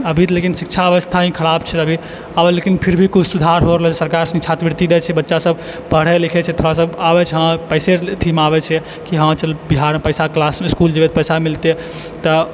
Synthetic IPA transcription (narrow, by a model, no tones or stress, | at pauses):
əbʱit̪lekinsikt͡ʃʰaəʋəst̪ʰaĩkʰəɽabt͡ʃʰɛt̪əbʱi | abɛlekinpʰiɾbʱikut͡ʃʰsud̪ʱaɾɦoɾəlɛsəɾkaɾsit͡ʃʰat̪ʋiɾt̪id̪ɛt͡ʃʰɛbətːʃasəb | bəɽ̤ɛlikʰɛt͡ʃʰɛt̪ʰoɾasəbabɛt͡ʃʰɛɦãpəɪset̪ʰimabɛt͡ʃʰɛ | kiɦãt͡ʃəlbiɦaɾmepəɪsaklasmiskuld͡ʒəbɛt̪pəjsamilt̪e | t̪ɔ